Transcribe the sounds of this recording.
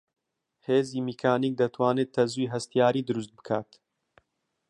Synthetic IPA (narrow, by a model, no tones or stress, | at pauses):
heːziːmikʰaːniːk̚d̪ɐt̪ʰwaːneːt̪̚t̪ʰːɐzuiːɦɐst̪ijaːɾiːd̪ɨɾust̪̚bɨ̥kʰaːt̪